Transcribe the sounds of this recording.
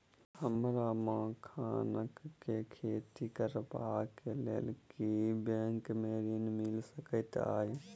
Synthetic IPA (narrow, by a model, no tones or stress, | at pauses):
həmɾamãːkʰaːnəkːekʰeːt̪ikəɾpaːkelḛlkibẽːŋkmeːɾiːnmɪlsəkət̪a̰ːje